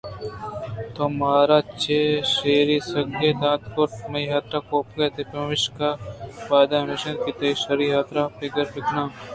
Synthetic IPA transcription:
t̪omaːɾaːt͡ʃeːʃeːɾiːsɐɡed̪ãːt̪koɾʈ̚mɐiɦaːt̪ɾaːkoːpkeːt̪epɐmʋɪʃkapaːd̪aːmɪʃɐnkit̪ɐiʃɐɾiːɦaːt̪ɾapɪɡɐɾpɪknãː

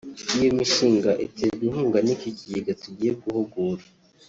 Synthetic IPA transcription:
ijomiʃiːŋɡaʔitebihuːŋɡanikikijiɡatuɟiːjeɡuhuɡuɾa

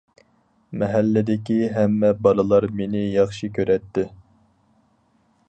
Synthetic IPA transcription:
mɛɦælːɪd̪ɪkʲiɦɛmːɛbɑlˠɨlˠɑɾmenɪjɑχʃikʲʰøɾɛt̪ːɪ

